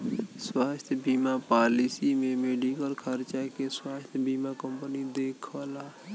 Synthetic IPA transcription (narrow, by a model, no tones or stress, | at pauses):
swast̪ʰjbimapalisimemeɖikəlkʰəɾt͡ʃakeswast̪ʰjbimakəmpənid̪ekʰəla